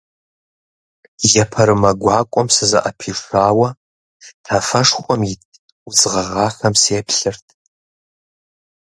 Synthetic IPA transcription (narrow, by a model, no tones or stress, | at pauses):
jɐpʰɐɾɨmɐɡʷɑːkʷʼɔmsɨzɐ̰ʔɐpʰiːʂʷaːwɐ | tʰafɐʂχʷʼɔmjɪt | uzʁɐʁɑːxɐmseːpʰɬɨrtʼʰ